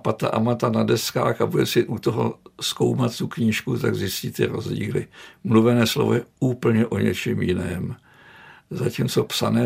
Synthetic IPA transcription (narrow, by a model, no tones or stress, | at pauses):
pat̪̚t̪ːa̰ʔamat̪anadɛska̰ːxabudɛsɪʔut̪oɦo̰sko̞wmat̪t̪ukɲiːʃkut̪aɡzɪscɪt̪t̪ːɪɾo̞zɟḭːlɪ̰mluvɛnɛːslo̞̰vojɛuːpl̩ɲɛʔo̞ɲɛ̰t͡ʃɛmjɪnɛːm | zaciːmt͡so̞psanɛː